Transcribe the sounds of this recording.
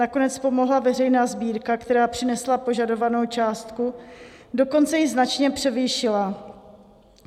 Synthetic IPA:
akonɛt͡spo̞mo̞ɦlavɛr̝ɛjnaːzbiːɾkakt̪ɛɾaːpr̝̥ɪnɛslapo̞ʒado̞vano̞wt͡ʃaːst̪kudo̞ko̞nt͡sɛjɪznat͡ʃɲɛpr̥ɛvɪjʃɪla

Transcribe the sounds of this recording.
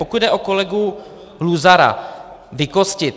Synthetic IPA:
okud̪dɛʔoko̞lɛɡu | luzaɾa̰ | vɪkoscɪt̪

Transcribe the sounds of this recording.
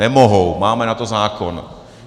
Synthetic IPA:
ɛmoɦowmaːmɛnat̪ozaːkon̰

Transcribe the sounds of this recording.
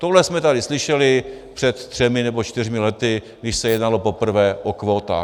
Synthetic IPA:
t̪oɦlɛsmɛt̪adɪslɪʃɛlɪ | pr̥ɛt̪t̪ːr̝̥ɛmɪnɛbo̞t͡ʃt̪ɪrmɪlɛt̪ɪɡdɪʃsɛjɛdnalo̞po̞pr̩vɛːʔokvoːt̪a̰ː

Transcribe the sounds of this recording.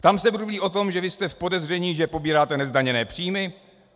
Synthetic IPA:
t̪amsɛbuɾuliːʔo̞t̪o̞mʒɛvɪst̪ɛfpo̞dɛzr̝ɛɲiːʒɛpo̞biːɾaːt̪ɛnɛzdaɲɛnɛːpr̥iːmɪ

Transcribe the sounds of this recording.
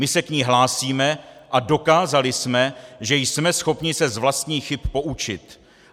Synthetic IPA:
mɪsɛkɲiːɦlaːsiːmɛʔado̞kaːzalɪsmɛʒɛjsmɛsxo̞pɲɪsɛzvlast̪ɲiːxɪpːo̞ʔut͡ʃɪt̪

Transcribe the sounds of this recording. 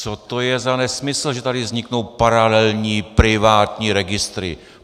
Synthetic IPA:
t͡sot̪o̞jɛzanɛsmɪsl̩ʒɛt̪adɪvzɲɪkno̞wpaɾalɛlɲiːpɾɪvaːt̪ɲiːɾɛɡɪst̪ɾɪ̰

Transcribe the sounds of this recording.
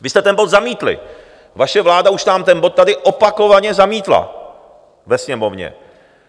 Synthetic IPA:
vɪst̪ɛt̪ɛnbo̞d̪zamiːt̪lɪ̰ | vaʃɛvlaːdauʃnaːmt̪ɛnbo̞t̪ːadɪʔo̞pako̞vaɲɛzamiːt̪la̰ | vɛsɲɛmo̞vɲɛ̰

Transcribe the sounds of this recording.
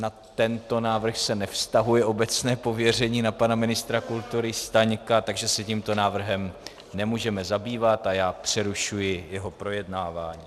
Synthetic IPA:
nat̪ɛnt̪o̞naːvr̩xsɛnɛfst̪aɦujɛʔo̞bɛt͡snɛːpo̞vjɛr̝ɛɲiːnapanamɪnɪst̪ɾakult̪uɾɪst̪aɲkat̪aɡʒɛsɛciːmt̪o̞naːvr̩ɦɛm | nɛmuːʒɛmɛzabiːvat̪ajaːpr̥ɛɾuʃujɪjɛɦo̞pɾo̞jɛdnaːvaːɲiː

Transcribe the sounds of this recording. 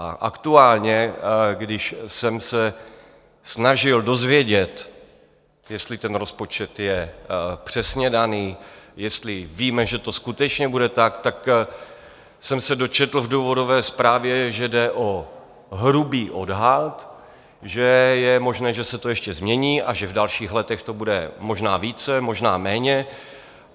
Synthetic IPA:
aʔakt̪uaːlɲɛɡdɪʃsɛmsɛ | snaʒɪldo̞zvjɛɟɛt̪ | jɛst̪lɪt̪ɛnɾo̞spo̞t͡ʃɛt̪jɛpr̝̥ɛsɲɛdaniːjɛst̪lɪviːmɛʒɛt̪o̞skut̪ɛt͡ʃɲɛbudɛt̪akt̪ak | sɛmsɛdo̞t͡ʃɛt̪l̩vduːvo̞dovɛːspɾaːvjɛʒɛdɛʔo | ɦɾubiːʔo̞dɦat̪ | ʒɛjɛmo̞ʒnɛːʒɛsɛt̪o̞jɛʃcɛzmɲɛɲiːʔaʒɛvdalʃiːxlɛt̪ɛxt̪o̞budɛmo̞ʒnaːviːt͡sɛmo̞ʒnaːmɛːɲɛ

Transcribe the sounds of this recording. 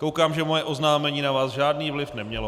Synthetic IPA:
kowkaːmʒɛmojɛʔo̞znaːmɛɲiːnavaːsʒaːdniːvlɪfnɛmɲɛlo

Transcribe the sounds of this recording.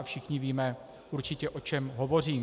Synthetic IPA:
fʃɪxɲɪviːmɛ | ʔuɾt͡ʃɪcɛʔo̞t͡ʃɛmɦo̞vo̞r̝iːm

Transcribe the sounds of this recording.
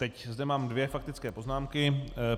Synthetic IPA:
t̪ɛczdɛmaːmdvjɛfak̚t̪ɪt͡skɛːpo̞znaːmkɪ

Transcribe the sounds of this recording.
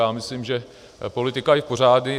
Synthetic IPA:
aːmɪslimʒɛ | po̞lɪt̪ɪkaɪfpor̝aːdnɪ

